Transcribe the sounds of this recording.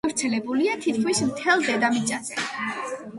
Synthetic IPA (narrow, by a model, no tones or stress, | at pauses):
vɾt̪sʰɛlɛbuliat̪ʰit̪kʰmismt̪ʰɛlˠd̪ɛd̪amit̪t͡ʃʼazɛ